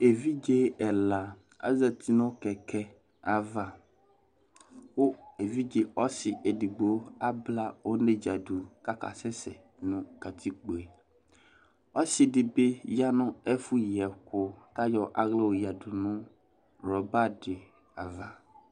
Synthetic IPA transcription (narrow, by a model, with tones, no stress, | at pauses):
e˨vi˦d͡ʒe˦ɛ˨la˨ | a̰˦za˨t̪ʰi˦nɔ̃˦kɛ˨kɛ˦ | a˨va˦ | wo˦e˨vi˦d͡ʒe˨ɔ˦sɪ˨ʔe˨di˨ɡ͡be˨wo˦a˦bla˦wo˦nẽ˦d͡ʒa˨ɖu˨ka˦ka̰˨sɛ˦sɛ˨ | nũ˨ka˨t̪ʰi˦k͡po˨e˨ | wɔ˦sɪ˨ɖɪ˨be˦ja˦nɔ̃˦ɛ˦fu˦ji˨ɛ˨kʊ˦t̪a˦jɔ˦ʔa˨ɣle˦wo˨ji˨a˨du˨nũ˦ | ɾɔ˨ba˦ɖɪ˨ | a˨va˨